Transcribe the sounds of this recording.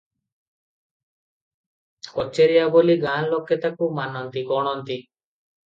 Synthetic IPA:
kɔt͡ʃeɾijaboliɡanlokːet̪akumanɔnt̪ikɔɽ̃ɔnt̪i

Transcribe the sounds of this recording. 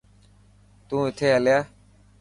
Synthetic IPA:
t̪ũːɪt̪ʰeːɦəljaː

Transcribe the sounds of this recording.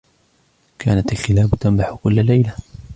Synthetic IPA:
kʰaːnat̪alxɪlaːbt̪ambaħʊkʊlːalajla

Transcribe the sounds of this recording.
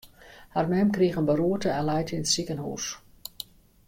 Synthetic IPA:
harmɛmkrixənbəruətəɛlɛjtinətsikənhṵːs

